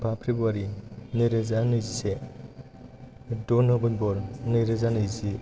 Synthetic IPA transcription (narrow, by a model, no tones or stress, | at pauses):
bʰapʰɾibuaɾinɯɾezanɯzise | dɔnɔbɯnbɔɾnɯɾezanɯjzi